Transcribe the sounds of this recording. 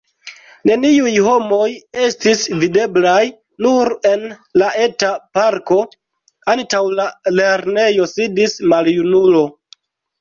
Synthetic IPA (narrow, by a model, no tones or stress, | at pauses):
ne̞niujɦo̞mo̞je̞stisvide̞blaj | nuɾe̞nlaʔe̞tapaɾko̞ | antawlale̞ɾne̞jo̞sidismaljunulo̞